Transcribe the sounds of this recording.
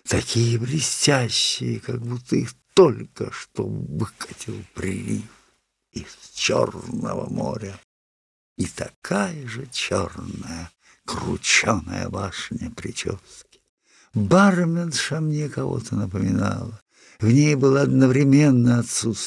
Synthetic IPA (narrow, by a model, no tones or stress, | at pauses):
t̪ɐkʲʰijəblʲɪsʲtʲæɕːɪjəkɐɡ̚but̪ʰːəixt̪olʲkəʂt̪ovɨkə̥tʲɪlˠpɾʲɪlʲif | ist͡ɕo̰rnə̰və̰mo̰ɾʲə | it̪ɐkʰajəʐɨt͡ɕo̰rnəjə | krʊ̰t͡ɕonə̰jə̰baʂɨnʲəpɾʲɪt͡ɕo̰skʲɪ̥ | barmʲɪnʂɐmnʲekɐvo̞̰t̪ənəpəmʲɪna̰lˠə | vnʲejbɨlˠaɐd̪nəvɾʲɪmʲenːəjɐt̪sut̪s